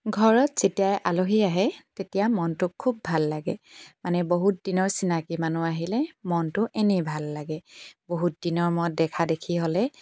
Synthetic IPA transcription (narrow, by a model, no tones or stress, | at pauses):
ɡʱɔɹɔtz̥etijajʔaloɦiaɦɛtetijamɔntʊkʰːubːʱalːaɡɛmanɛboɦut̚dinɔɹsinakimanuaɦilɛmɔntʊʔenɛbʱalːaɡɛboɦut̚dinɔɹmɔt̚dɛkʰadekʰiɦolɛ